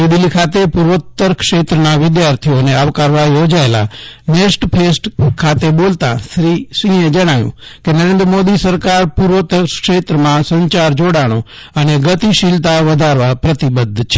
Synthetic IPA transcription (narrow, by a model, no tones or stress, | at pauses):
ed̪ɪlikʰat̪epuɾʋt̪ːəɾkʂet̪ɾənaʋɪd̪jaɾt̪ʰijoneaʋkaɾʋajod͡ʒaela̰nesʈpʰesʈkʰat̪ebolt̪ã̰ʃɾisĩẽd͡ʒəɽ̃aʋjṵ̃kenəɾẽnd̪ɾəmod̪isəɾkaɾpuɾʋət̪əɾkʃeːt̪ɾəmãsə̃ɲt͡ʃaɾd͡ʒoɽaɽ̃õ | əneɡət̪iʃilt̪aʋəd̪ʱaɾʋapɾət̪ibəd̪ʱːt͡ʃʰe̥